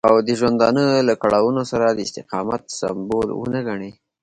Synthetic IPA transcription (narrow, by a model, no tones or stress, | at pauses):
awd̪əʒwand̪ɑnəlakaɽawunosaɾad̪əɪst̪ɪqɑmat̪sa̰mbolwə̰naɡaɳe